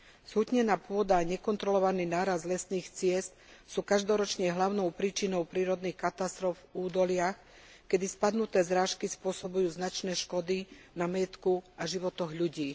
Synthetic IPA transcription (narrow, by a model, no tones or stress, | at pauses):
z̥ɦut̪ɲɛnaːpʊɔd̪aɲɛkɔnt̪ɾɔlɔʋaniːnaːɾazd̪lɛsniːxt͡sɪɛst̪̚suːkaʒd̪ɔɾɔt͡ʃɲɛɦlaʊnɔʊpɾiːt͡ʃinɔʊpɾiːɾɔd̪nixkat̪ast̪ɾɔvuːd̪ɔlɪax | kɛd̪ispad̪nut̪ɛːzɾaːʃkispʊɔsɔbujuːznat͡ʃnɛːʃkɔd̪i | namajɛt̪kuaʒiʋɔt̪ɔɣʎuɟiː